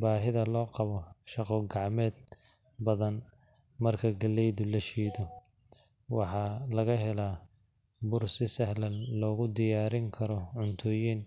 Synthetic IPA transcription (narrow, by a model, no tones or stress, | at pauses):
baːɦɪðɐlɔːqɑβɔʃɑqɔːɡɑʕmɛːd̪ | bɐðɐn | mɐrkʰɐɡɐlːɛjðʊlɐʃiːðɔ | wɑħɑlɐɣɐɦɛlaː | bʊrsɪsɐhlɐnlɔːɣʊd̪ɪjaːɾɪŋkʰɐɾɔʕʊnt̪ʰɔːjiːn